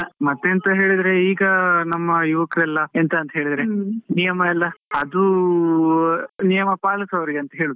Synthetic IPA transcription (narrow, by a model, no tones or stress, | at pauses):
mɐt̪ːent̪ɐɦe̞ːɭid̪ɾe̞iːɡɐnɐmːɐjuʋɐkɐɾɛlːɐent̪ɐːnt̪ɐɦeːɭid̪ɐɾenijɐmɐɛlːɐɐd̪u | nijɐmɐpaːlɐsɐʋɐɾiɡeɐnt̪ɐɦe̞ːɭud̪